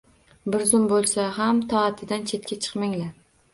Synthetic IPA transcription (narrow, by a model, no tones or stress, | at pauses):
bɪɾzʊmbolˠsaɦamt̪ʰɒːt̪ʰɪd̪ant͡ʃʰe̞t̪̚kʲat͡ʃʰɨ̥qmɪŋla